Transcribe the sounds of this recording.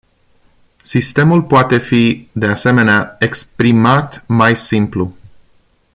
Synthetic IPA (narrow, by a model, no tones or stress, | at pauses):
sist̪e̞mulpoat̪e̞fid̪e̞ase̞me̞neaekspɾimat̪majsimplu